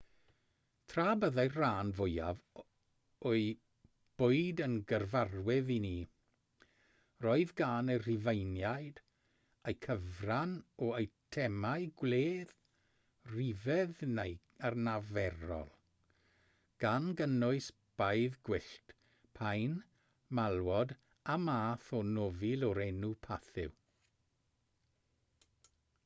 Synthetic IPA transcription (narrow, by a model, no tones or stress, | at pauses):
tʰraːbəðajrraːnvʊjav | ɔɨ | b̥ʊɨdənɡərvarwɪðini | rɔɨðɡaːnər̥ɪvejnjajd | ejkʰəvranɔejtʰɛmaɨɡwleːð | rivɛðnej | arnavɛɾɔ̰lˠ | ɡ̥anɡənʊɨs | b̥ajðɡwɪɬt | pʰajn | malˠwɔd | amaːθɔnɔvɪlˠɔɾɛnupʰaθɪ̰w